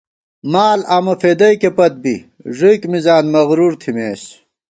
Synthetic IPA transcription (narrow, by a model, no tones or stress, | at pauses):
maːlaːmɐfeːd̪ɐjkepɐt̪̚bḭ | ʐikmizaːnmɐɣɾuːɾt̪ʰimeːs